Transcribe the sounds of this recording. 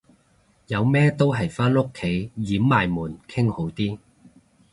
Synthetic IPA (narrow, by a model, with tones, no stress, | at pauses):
jɐ˨˧wmɛː˥t̪o˥wɦɐ˨jfaː˥nʊ˥kʰːe˨˥jjiː˨˥mːaː˨jmuː˨˩nkʰɪ˥ŋho˨˥wt̪iː˥